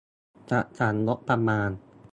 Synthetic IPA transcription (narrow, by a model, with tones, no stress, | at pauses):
t͡ɕa˨˩ʔt͡ɕa˩˦nlo˦˥ʔpa˧maː˧n